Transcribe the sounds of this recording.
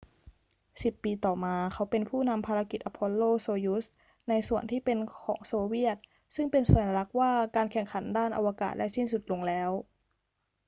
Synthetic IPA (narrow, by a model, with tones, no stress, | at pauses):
si˨˩pːiː˧t̪ɔː˨˩maː˧kʰa˦˥wpe˧npʰuː˥˩na˧mpʰaː˧a˧ki˨˩t̪̚ʔa˧˩pʰːɔ˧lːoː˥˩soː˧ju˦˥s | na˧jsu˨˩ənt̪ʰiː˥˩pe˧nkʰɔː˩˦ŋsoː˧wi˥˩ət̪̚ | sɯ˥˩ŋpe˧nsu˨˩˦na˧la˦˥k̚waː˥˩kaː˧nkʰɛ˨˩ŋkʰa˩˦ndaː˥˩nʔa̰˧wa˧ka̰ː˨˩t̪̚daː˥˩jsi˥˩nsu˨˩t̪̚lo˧ŋlɛː˦˥w